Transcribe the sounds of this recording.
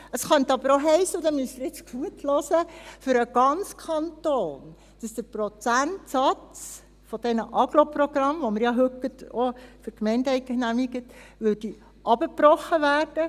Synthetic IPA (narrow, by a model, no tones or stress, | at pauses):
əsχœnt̪əɑbəɾoɦɛɪsːəʊd̪ɛmystɪɾjɪt͡sɡ̥uətʰlɔːsəfʏɾəɡ̥ɑnt͡skʰɑntoːn | d̥ɑsd̥̪əɾprɔt͡sæntsɑt͡s | fɔd̥ɛnəʔɑɡ̥loprɔɡ̥ɾɑmʋoməɾjɑɦøkːətofəɾkmɛɪndɛɪkənæmiɡətʋødi | ʔɑbəprɔχːəʋæːrd̥ə